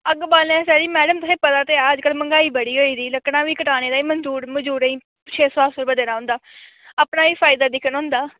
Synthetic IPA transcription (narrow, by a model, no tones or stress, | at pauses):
əɡbaːlãːsɛːɾiːmɛːɖəmt̪ʊsẽːpət̪aːt̪eːaːd͡ʒkəlməŋɡaːiːbəɽiːɦoːiːd̪iːləknãːʋiːkəʈaːneːd̪aːiːmənzuːɾməd͡ʒuːɾəĩː | t͡ʃʰeːsoːasəɾbəd̪eːnaːɦʊ̃ːnd̪aː | aːpnaːʋiːfʰaːjɪd̪aːd̪ɪkʰənɦʊ̃ːnd̪aː